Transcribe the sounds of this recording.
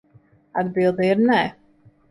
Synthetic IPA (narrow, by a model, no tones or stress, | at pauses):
ad̪bilˠd̪ɛiɾnɛ